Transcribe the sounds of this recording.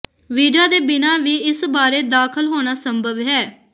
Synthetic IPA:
ʋiːd͡ʒaːd̪eːbɪnãːʋiːɪsbaːɾeːd̪aːkʰəlɦoːɽ̃aːsəmbʱəʋɦɛː

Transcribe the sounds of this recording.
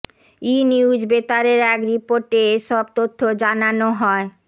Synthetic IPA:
iniud͡ʑbet̪aɾeɾɛkɾipoɾʈeeʃɔb̚t̪ot̪ʰːod͡ʑananoɦɔe

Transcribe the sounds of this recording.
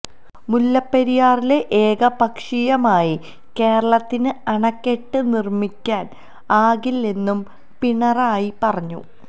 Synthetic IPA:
mulːɐpːeɾijaːrile̞ʔeːɡɐbɐkʂijɐmaːji | ke̞ːɾɐɭɐt̪ːinɨɐɳɐkːe̞ʈːɨnirmikʲːaːn | aːɡilːenːum | piɳɐraːjipɐrɐɲːṵ

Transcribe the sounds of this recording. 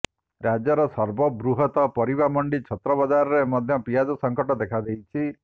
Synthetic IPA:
ɾad͡ʒɔɾɔsɔɾbɔbɾuɦɔt̪ɔpɔɾibamɔɳɖit͡ʃʰɔt̪ɾɔbad͡ʒaɾɔɾemɔd̪ʱjɔpiad͡ʒɔsɔŋkɔʈɔd̪ekʰad̪ejt͡ʃʰi

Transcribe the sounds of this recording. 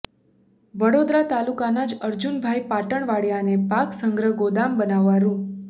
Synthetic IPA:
ʋəɽod̪ɾat̪alukanad͡ʒəɾd͡ʒunbʱajpaʈəɳʋaɽjanepaksəŋɡɾəɡod̪ambənaʋːaɾũ

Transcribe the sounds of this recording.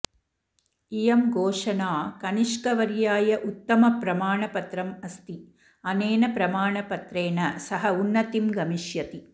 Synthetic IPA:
ijɐmɡoːʂɐnaːkɐniʂkɐʋɐɾjaːjɐʔut̪ːɐmɐpɾɐmaːɳɐpɐt̪ɾɐmɐst̪i | ɐneːnɐpɾɐmaːɳɐpɐt̪ɾeːnɐsɐɦɐunːɐt̪imɡɐmiʂjɐt̪i

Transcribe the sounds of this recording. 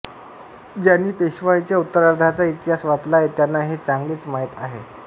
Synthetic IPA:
d͡ʑjanːiːpeɕʋaɭit͡ɕjaut̪ːəɾaɾd̪ʱat͡sait̪iɦasʋat̪laet̪janːaɦet͡saŋɡliːt͡smaɦit̪aɦe

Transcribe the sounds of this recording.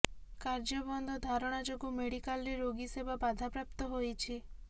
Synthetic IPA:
kaɾd͡ʒɔbɔnd̪ʱɔd̪ʱaɾɔɽ̃ad͡ʒoɡumeɽikalɾeɾoɡisebabad̪ʱapɾapt̪ɔɦojt͡ʃʰi

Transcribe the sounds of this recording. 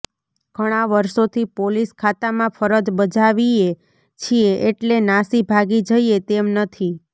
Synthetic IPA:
ɡ̥ʱəɽ̃aʋəɾʃot̪ʰipoliskʰat̪amãpʰəɾəd͡ʒ̪bəd͡ʒaʋie | t͡ʃʰieʔeʈlenasibʱaɡid͡ʒəiet̪emnət̪ʰi

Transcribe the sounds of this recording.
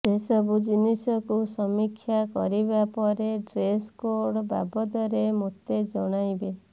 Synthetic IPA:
sesɔbʱud͡ʒinisɔkusɔmikʰːjakɔɾibapɔɾeɖɾeskoɾɽba̰bɔd̪ɔɾemot̪ed͡ʒɔɽ̃ajbe

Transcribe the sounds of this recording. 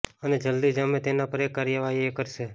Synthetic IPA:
əned͡ʒəld̪id͡ʒamẽt̪enapəɾekːaɾjəʋaɦiekəɾʃe

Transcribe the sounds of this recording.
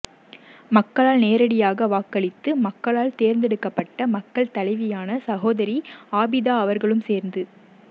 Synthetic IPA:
mɐkːɐɭaːlneːɾɐɽɪjaːɣɐʋaːkːɐɭɪt̪ːɯmɐkːɐɭaːlt̪eːɾnd̪ɛɽɯkːɐpːɐʈːɐmɐkːɐɭt̪ɐɭɐɪʋɪjaːnɐsɐɣoːðɐɾiaːbɪðaːɐʋɐɾɣɐɭɯmseːɾnd̪ɯ

